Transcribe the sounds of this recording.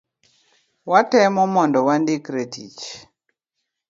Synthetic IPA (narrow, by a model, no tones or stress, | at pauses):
watɛmɔmɔndɔwandɪkɾetḭt͡ʃ